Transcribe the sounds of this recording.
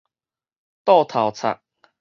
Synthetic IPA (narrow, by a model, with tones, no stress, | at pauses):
t̪ɔ˥˧t̪ʰa˨˩wt͡sʰa̰˨˩k̚